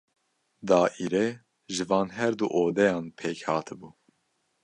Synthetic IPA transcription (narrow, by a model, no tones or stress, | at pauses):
d̪ɑːʔiɾeː | ʒɨvɑːnɦɛɾd̪uʔoːd̪ɛjɑːnpʰɛkhɑːt̪ʰɨbuː